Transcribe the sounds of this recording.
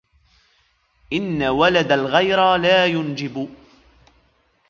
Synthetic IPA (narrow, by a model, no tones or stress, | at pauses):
ʔɪnːawalad̪alɣajɾalaːjʊnd͡ʒɪb